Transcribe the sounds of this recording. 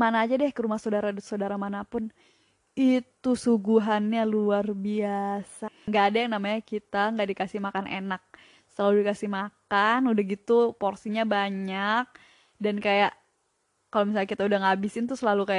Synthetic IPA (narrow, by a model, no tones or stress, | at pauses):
manaːd͡ʒadɛhkəɾumahsadaɾadsodaɾamanapʊn | it̪usuɡuɦanɲaluarbiasaŋɡaʔːdajaŋnamaɲakit̪aŋɡaʔdikasihmakanḛnak̚ | səlaludikasɪhmakanudahɡit̪uporsiɲabaɲak̚ | dankajaʔ | kalomis̬alɲakit̪audaŋabɪsɪnt̪ʊsəlalukajaʔ